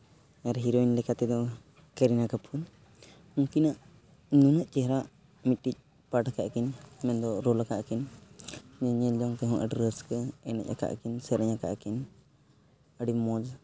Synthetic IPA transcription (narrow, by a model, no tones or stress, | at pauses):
aɾɦiɾɔjnlɛkat̪ɛd̪ɔ | kəɾinakapʰun | uŋkinaʔ | nunaʔt͡ʃɛɦɾaʔ | mit̪̚ʈic̚ˀ | paʈakaʔkinmɛnd̪ɔɾɔlakaʔkin | ɲɛɲɛlɔŋt̪ɛɦɔ̃ʔəɖɾəskəɛna̰c̚ˀa̰ka̰ʔkinsəɾəɲaka̰ʔkin | əɖimɔd͡ʒ